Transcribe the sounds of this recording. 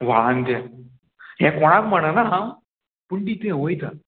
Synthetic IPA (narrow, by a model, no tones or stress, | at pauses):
ʋaand̪a | ɦɛ̃kɔɽ̃akm̤əɽ̃anaɦã | puɳʈit̪ẽɦojt̪a